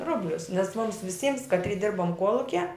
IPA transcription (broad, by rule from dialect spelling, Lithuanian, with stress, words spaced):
ˈrʊbʲlʲʊs nʲɛs mʊms ʋʲɪˈsʲiːms kɐˈtʲrʲiː ˈdʲɪrboːm ˈkuɔlˠʊkʲiɛ